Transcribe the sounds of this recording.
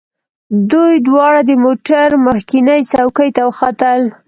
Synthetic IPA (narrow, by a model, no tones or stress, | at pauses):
d̪ujd̪wɑɽad̪əmoʈaɾməxkɪnəjt͡sawkəjt̪awəxat̪əl